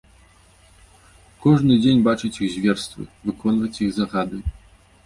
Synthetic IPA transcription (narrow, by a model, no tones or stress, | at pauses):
kɔʐnɨd͡zʲenʲbat͡ʂɨt͡sʲiɣzʲvʲɛrst̪vɨ̰vɨkʰɔnvɐt͡sʲiɣzaɣad̪ɨ